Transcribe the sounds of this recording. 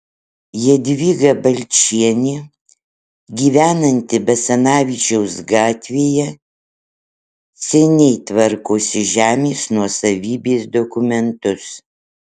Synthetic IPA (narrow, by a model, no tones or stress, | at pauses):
jiɛd̪ʲʋʲiːɡɐbɐlʲt͡ʃʲiɛnʲeː | ɡʲiːʋʲæːnɐnʲt̪ʲɪbɛsɐnɑːʋʲiːt͡ʃʲɛʊsɡɑːt̪ʲʋʲeːjɛ | sʲɛnʲɛɪt̪ʋɐɾkoːsʲɪʒʲæːmʲeːsnuɔsɐʋʲiːbʲeːsd̪okʊmʲɛnt̪ʊs